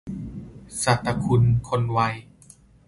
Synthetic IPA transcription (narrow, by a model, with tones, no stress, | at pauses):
sa˨˩t̪ːa˧kʰu˧nkʰo˧nwa˧j